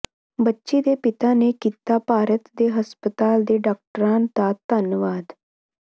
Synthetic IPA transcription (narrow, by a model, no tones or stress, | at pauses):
bətːʃid̪epɪt̪anekit̪apaːɾət̪d̪eɦəspət̪aːld̪eɖaːk̚ʈəɾãːnt̪at̪ənjəʋaːd̪